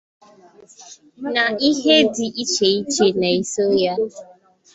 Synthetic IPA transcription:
na˨i˦ɦe˦dɪ˨ʔi˦t͡ʃe˨i˦t͡ʃe˦na˨i˦so˦ja˦

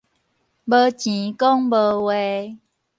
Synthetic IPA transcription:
bə˧t͡ɕĩ˨˦kɔ˦ŋbə˧we˨˦

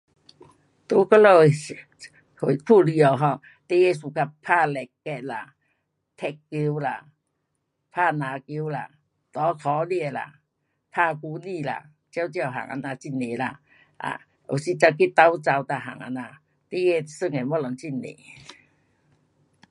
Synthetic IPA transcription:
t̪u˧˦kɔ˦lo˧˩ | hu˨kʰu˥˧˨li˧ɔ˨˩ɦɔ˧ | t̪e˦˧˦je˧˨su˨˩ka˧pʰa˥˧˨lɛ˨˩kːɛ˧t̚la˨˩ | t̪ʰɛ˧kːi˧˦wla˨˩ | pʰa˥˧˨nã˨ki˧˦wla˧ | t̪ɔ˨˧˦kʰɔ˨˦lla̰˨ | pʰa˥˧ku˧˦ni˧˨la̰˨˧ | t͡ɕja˦wt͡ɕja˧˩˨ɦa̰˨˩ŋʔa̰˧˨na˧t͡ɕi˧˩ne˨la̰˧ | ʔa̰˨ | o˨˩si˧t͡sa˧ki˦t̪a˧˦wt͡sa˧wt̪a˧ɦa̰˨˩ŋa̰˧nã˧ | t̪e˦˧˦e˥˧˨sɨ˦˧˨ŋe˨mɔ˧˦lɔ˨˩ŋt͡ɕi˧˩nḛ˨˦

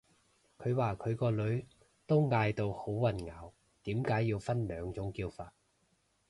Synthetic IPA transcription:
kʰɵ˨˧ɥwaː˨˧kʰɵ˨˧ɥkɔː˧lɵ˨˧˥ɥ | t̪o˥wŋaː˧jt̪o˧who˨˥wwɐ˨˩nŋaː˨˥w | t̪iː˨˥mkaː˨˥jːiː˧wfɐ˥nlœː˨˧ŋt͡sʊ˨˥ŋkiː˧wfaː˨t̚

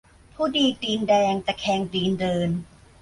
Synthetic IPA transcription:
pʰuː˥˩diː˧diː˧ndɛː˧ŋt̪ɛː˨˩kʰɛː˧ŋdiː˧ndɤː˧n

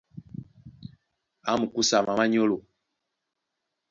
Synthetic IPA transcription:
a˨˦mu˨ku˦sa˨ma˨ma˦ɲo˦lo˨

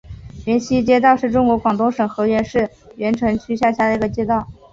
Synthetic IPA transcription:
ɥɛ˧˥nɕi˥t͡ɕjɛ˥t̪ɑ˥˧ʊʂɻ̩˥˩ʈ͡ʂʊ˥ŋkwɔ˧˥kwɑ˨˩ŋt̪ʊ˥ŋʂɤ˨˩ŋxɤ˧˥ɥɛ˧˥nʂɻ̩˥˩ | ɥɛ˧˥nʈ͡ʂʰɤ˧˥ŋt͡ɕʰy˥ɕja˥˩ɕja˥˩d̪ə˩i˧˥ɡə˧t͡ɕjɛ˥t̪ɑ˥˩ʊ

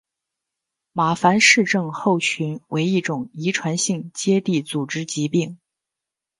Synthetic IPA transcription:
ma˨˩fa˧˥nʂɻ̩˥˧ʈ͡ʂɤ˥˧ŋxo˥˩ʊt͡ɕʰy˧˥nwʔe˧˥ɪi˥˩ʈ͡ʂʊ˨˩ŋi˧˥ʈ͡ʂʰwa˧˥nɕi˥˩˧ŋt͡ɕjɛ˥t̪i˥˩t͡su˨˩ʈ͡ʂɻ̩˥t͡ɕi˧˥pi˥˩ŋ

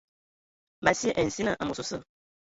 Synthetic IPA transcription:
ba˨sə˦ʔɛ˨n̩˨si˦nə˨ʔa˨mo˨so˨sə˦˨

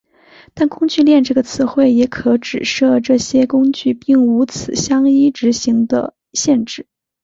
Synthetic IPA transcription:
t̪a˥˩nkʊ˥ŋt͡ɕy˥˧ljɛ˥˧nʈ͡ʂɤ˥˩ɡə˩t͡sʰɹ̩˧˥xwe˥˩ɪjɛ˧˥kʰɤ˧˥ʈ͡ʂɻ̩˨˩ʂɤ˥˧ʈ͡ʂɤ˥˩ɕjɛ˥kʊ˥ŋt͡ɕy˥˧pi˥˩ŋu˧˥t͡sʰɹ̩˨˩ɕjɑ˥ŋi˥ʈ͡ʂɻ̩˧˥ɕi˧˥ŋd̪ə̰˧ | ɕjɛ˥˧nʈ͡ʂɻ̩˥˩

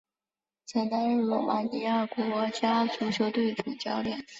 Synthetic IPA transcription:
t͡sʰa˧˩ɪt̪a˥nɻ̩˥˩lɔ˧˨˩ma˧˥ni˧˥a˥˩kwɔ˥˧˥t͡ɕja˥t͡su˧˥ɕjo˧˥ʊt̪we˥˩ɪʈ͡ʂu˨˩t͡ɕjɑ˥ʊljɛ˨˩˦n

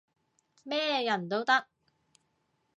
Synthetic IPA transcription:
mɛː˥jɐ˨˩nt̪o˥wt̪ɐ˥k̚

